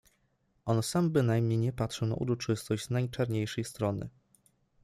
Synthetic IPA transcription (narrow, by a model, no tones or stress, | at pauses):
ʔɔnsambɘnajmɲejɲɛpat̪ʂɛna̰ʔṵɾɔt͡ʂɘst̪ɔʑd͡ʑznajt͡ʂaɾɲejʂɛjst̪ɾɔnɘ̰